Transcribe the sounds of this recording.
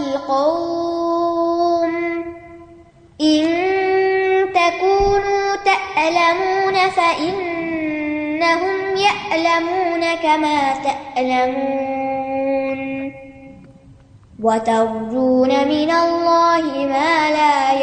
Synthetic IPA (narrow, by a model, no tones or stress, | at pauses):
lqɑw | m | ʔɪn | t̪akuːnuːt̪aʔlamuːnafaʔɪnː | aɦʊmjaʔlamuːnakamaːt̪aʔlamu | n | wat̪ɑɾˤd͡ʒ̪uːnamɪnalːɑːhɪmaːlaː